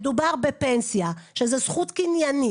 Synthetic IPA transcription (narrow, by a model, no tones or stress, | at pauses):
d̪ubaʁbepensijaʃezɛsχut̪kinjani